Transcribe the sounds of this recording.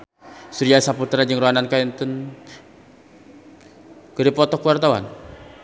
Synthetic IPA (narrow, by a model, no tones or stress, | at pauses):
suɾiasaput̪ɾad͡ʒəŋɾoanankaint̪un | kəɾipɔt̪ɔkuwart̪awa̰n